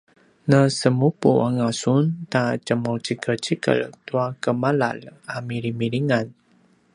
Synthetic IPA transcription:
nəsəmupṵʔaŋasunt̪at͡ʃəmowt͡ʃikʰət͡ʃikə̰lt̪uakəmala̰lamiɾimiɾiŋan

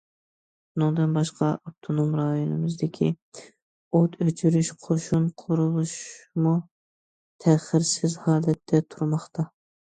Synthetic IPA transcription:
bunɨŋd̪ɨnbɑʃqɑɑp̚t̪ʰonomɾɑjonɨmɪzd̪ɪkʲʰi | ot̪ʰøt͡ʃʰyɾyʃqʰoʃunqʰʊɾʊʁʊʃmu | t̪ʰæχɪɾsɪzhɑːlɛt̪ʰːɛt̪ʰuɾmɑχt̪ʰɑ

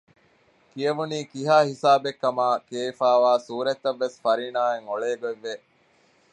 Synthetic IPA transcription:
kiɐʋuniːkiɦaːhisaːbekːɐmaːkeːifaːʋaːsuːɾet̪ːɐʋːesfɐɾiːnaːeŋoɭeːɡoeʋːe

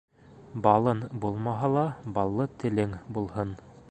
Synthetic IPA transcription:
bɑlˠɤnbulˠmɑɦɑlˠɑbɑlˠːɤt̪ɘ̆lɘŋbulˠhɤn

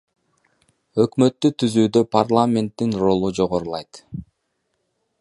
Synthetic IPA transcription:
ø̞kmø̞t̪ːyt̪ʰyzyːd̪ø̞parlˠamʲe̞nt̪ːinro̞lˠud͡ʒo̞ʁo̞ɾulˠɑjt̪

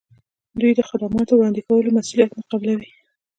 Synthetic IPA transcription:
d̪ujd̪əxad̪amɑt̪owɽɑnd̪ɪkawəlomasulijat̪nɑqɑblawi

